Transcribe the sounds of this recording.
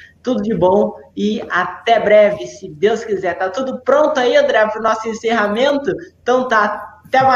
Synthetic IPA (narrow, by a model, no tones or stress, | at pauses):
t̪ud̪ʊd͡ʒɪbõw̃ɪat̪ɛbɾɛvɪsɪd̪ewskizɛɾt̪at̪ud̪ʊpɾõnt̪ʊaiɐ̃nd̪ɾɛjpɾʊnɔsʊẽseɦamẽnt̪ʊt̪ɐ̃w̃t̪at̪ɛma